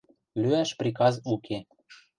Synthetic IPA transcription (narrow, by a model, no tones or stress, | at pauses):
lyæʃprʲikɑzukʰe